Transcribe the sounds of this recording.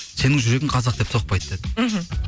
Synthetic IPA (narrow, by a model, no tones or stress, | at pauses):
se̞nɪŋʒʏɾe̞ɡʲɪŋqʰɑzɑqd̪e̞p̚t̪ʰo̞q̚pɑjd̪d̪ed̪̩ɦ̩